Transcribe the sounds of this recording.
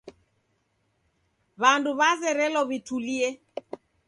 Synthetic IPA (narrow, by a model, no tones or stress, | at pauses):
βanduβazɛɾɛlɔβituliɛ